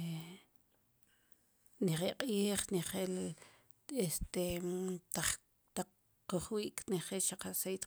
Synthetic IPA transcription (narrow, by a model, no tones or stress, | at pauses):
niχeʔqʼiːχneχel | est̪et̪aχ | t̪aq͡χ | quχwiːʔkneχelʃaqasejt̪